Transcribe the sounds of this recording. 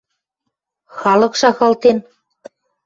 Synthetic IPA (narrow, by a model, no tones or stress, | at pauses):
xɑlɤ̆kʃɑxɑlt̪en